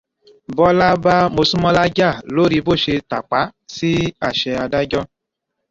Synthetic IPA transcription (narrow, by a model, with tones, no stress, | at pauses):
bɔ˦la˦ba˦mo˧su˦mɔ˧la˦d͡ʒa˦˨lo˨˦ɾi˧bo˦˨ʃe˧ta˨k͡pa˨˦si˦a˦˨ʃɛ˧a˧da˦d͡ʒɔ˦